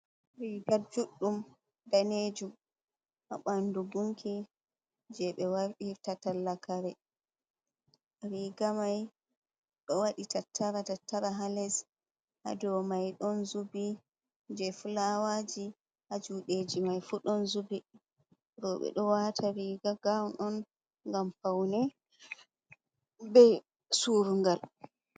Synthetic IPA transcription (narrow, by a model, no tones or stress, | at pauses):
ɾiɡad͡ʒuɗːum | daned͡ʒum | ʔa̰ɓandubuŋkʰi | d͡ʒɛɓɛwaɾɗitatalːakaɾɛ | ɾiɡamaj | ɗɔwaɗitatʰːaɾatatːaɾaɦalɛs | ʔa̰dɔmajɗɔnzubi | d͡ʒɛfulawad͡ʒi | had͡ʒuɗed͡ʒimajfuɗɔnzubi | ɾɔɓɛ̰ɗɔwatʰaɾiɡaɡawnʔɔn | ŋɡampawnɛ | bɛj | suɾuŋɡal